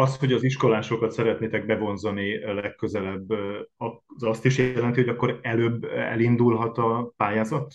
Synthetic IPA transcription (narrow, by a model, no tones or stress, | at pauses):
ɒsho̞ɟɒziʃko̞laːʃo̞kɒt̪sɛɾɛt̪neːt̪ɛɡ̚bɛvo̞nzɒnilɛkːø̞zɛlɛbːɒzɒst̪iʃjɛlɛnt̪ioɒkːo̞ɾɛløːbːɛ̰lind̪ulɦɒt̪ɒpaːjaːzɒt̪ː